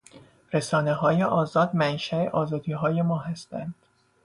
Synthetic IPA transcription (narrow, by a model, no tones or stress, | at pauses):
ɾe̞sɒːne̞ɦɒːjeʔɒːzɒːd̪mænʃæḛʔɒːzɒːd̪iːɦɒːje̞mɒːɦæst̪ænd̪̥